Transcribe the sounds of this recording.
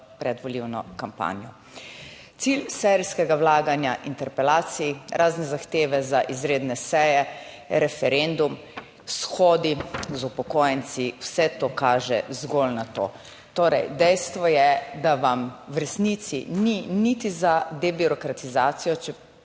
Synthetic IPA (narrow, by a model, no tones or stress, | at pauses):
pɾɛd̪ʋɔliwnɔ̰kampa̰ːnjɔ | t̪silsɛɾiskɛɡawlaːɡanjaʔint̪ɛɾpɛlaːt̪siɾʔaːznɛzaxt̪eːʋɛzaʔizɾeːd̪nɛsɛjɛ | ɾɛfɛɾend̪um | sxoːd̪izupɔkoːjɛnt̪siwsɛt̪okaːʒɛ̰zɡolnat̪o̰ | t̪oɾɛ̰jd̪ɛjst̪ʋɔjɛd̪aʋamwɾɛsnit̪sḭninit̪izad̪ɛbiɾɔkɾat̪izaːt̪sijɔt͡ʃɛ